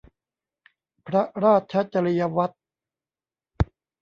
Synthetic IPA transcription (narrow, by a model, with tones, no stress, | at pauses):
pʰɾa˦ɾaː˥˩t̪̚t͡ɕʰa˦˥t͡ɕa˧ɾi˧ja˧wa˦˥t̪̚